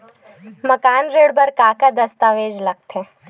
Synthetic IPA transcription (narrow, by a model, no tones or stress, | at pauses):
mɐkaːnɾeːɽbɐɾkaːkad̪ɐst̪aʋeːd͡ʒlɐɡ̚t̪ɦɛː